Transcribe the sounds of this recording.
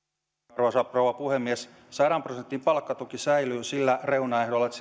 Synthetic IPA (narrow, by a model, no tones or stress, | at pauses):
rʋɑsɑproːʋɑpuhemːies | sɑɾɑmprosent̪ːimpɑlkːɑt̪ukisæilyːsilːæreunɑehdolːɑet̪s